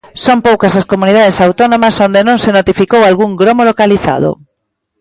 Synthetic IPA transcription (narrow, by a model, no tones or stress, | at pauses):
sompowkɐsɐskomuniðað̞esawt̪onõmɐsond̪enõŋsenot̪ifikowalɣuŋɡɾomolokaliθa̰ðʊ̰